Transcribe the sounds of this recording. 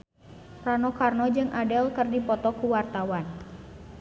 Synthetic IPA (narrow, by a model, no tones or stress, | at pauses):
pɾanɔkarnɔd͡ʒɨŋʔadɛlkɨrdipɔt̪ɔkuwart̪awan